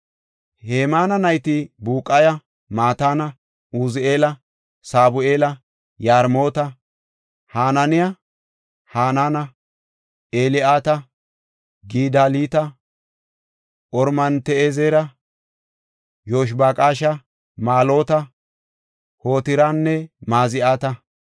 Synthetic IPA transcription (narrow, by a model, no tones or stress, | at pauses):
heːmaːnɐnɐjt̪ɪbuːkʼːɐjɐ | maːt̪aːnɐ | uːzɪʔe̞ːlɐ | saːbʊʔe̞ːlɐ | jaːɾmo̞ːt̪ɐ | haːnɐnɪjɐ | haːnaːnɐ | ʔeːlɪʔaːt̪ɐ | ɡiːd̪aːliːt̪ɐ | ʔɔɾmɐnt̪ɛezeːɾɐ | joːʃ̬baːkʼaːʃɐ | maːlo̞ːt̪ɐ | ho̞ːt̪ɪɾanːɛmaːzɪʔaːt̪ɐ